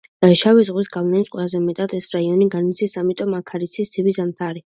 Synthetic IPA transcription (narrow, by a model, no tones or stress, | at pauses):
aʃavizʁwisɡavnɛnisqʼwɛlˠazɛmɛt̪ʼat̪ʰɛsɾaiɔniɡanit̪sʰisamit̪ʼɔmakʰaɾit̪sʰisʰibizamt̪ʰaɾi